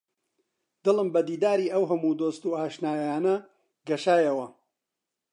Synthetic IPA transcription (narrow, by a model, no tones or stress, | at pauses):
d̪̥ɨlˠɨmbɐd̪iːd̪aːɾiːʔɐwɦɐmuːd̪oːst̪uːaːʃnaːjjaːnɐ | ɡɐʃaːjɐwɐ